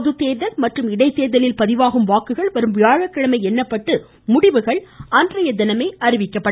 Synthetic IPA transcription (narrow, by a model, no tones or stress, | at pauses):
ðɯt̪ːeːɾðɐlmɐʈrɯmɪɽɐɪt̪ːeːɾðɐlɪlpɐðɪʋaːɣɯmʋaːkɯɣɐɭʋɐɾɯmʋɪjaːɻɐkːɐɻɐmɐɪɛnːɐpːɐʈːɯ | mʊɽɪʋɯɣɐɭandrɐjɐd̪ɪnɐmɐɪɐrɪʋɪkːɐpːɐɽ